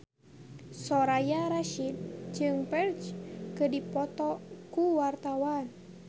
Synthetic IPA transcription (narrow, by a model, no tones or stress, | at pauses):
sɔɾajaɾaʃid̪̚d͡ʒɨŋpɛrt͡ʃkədipɔt̪ɔkuwart̪awan